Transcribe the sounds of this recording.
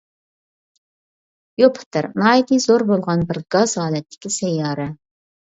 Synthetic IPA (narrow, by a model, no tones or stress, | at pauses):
jopʰɨ̥t̪ʰɪɾnɑːid̪ɨzoɾbolˠʁɑnbɪɾɡ̥ɑzhɑːlɛt̪ʰːɪ̥kʲisɛjɑːɾɛ